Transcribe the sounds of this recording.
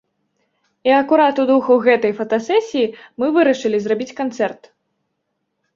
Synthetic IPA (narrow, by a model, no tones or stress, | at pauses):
iɐkuɾat̪ud̪uxɐwɣɛt̪ɐjfɐt̪asɛsʲijimɨvɨɾɐʂɨlʲizrabʲit͡sʲkant̪sɛrt̪